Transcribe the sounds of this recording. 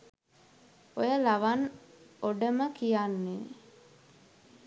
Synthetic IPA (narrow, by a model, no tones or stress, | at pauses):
ojəlaʋanoɖəməkijanːe